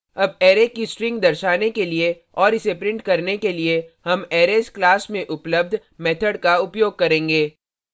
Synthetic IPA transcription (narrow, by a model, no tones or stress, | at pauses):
ɐbeːɾekisʈɾɪ̃ŋɡd̪ɐɾʃaːnekelie | ɔːɾɪsepɾɪ̃ɳʈkɐɾnekeliehɐmɛːɾeːsklaːsmẽʔʊpləb̚d̪ʱmɛːt̪ʰəɽkaʊpjoːɡ̚kɐɾẽːŋɡeː